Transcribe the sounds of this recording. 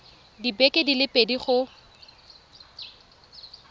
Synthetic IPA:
dibɛkʼedilɪpʼediχʊ

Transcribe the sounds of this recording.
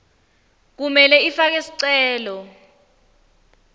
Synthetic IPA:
k̬umɛlɛifak̬ɛsi̥ǀɛːlɔ

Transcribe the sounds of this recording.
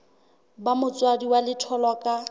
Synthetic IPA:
bamʊt͡sʼwadiwalɪtʰɔlwakʼa

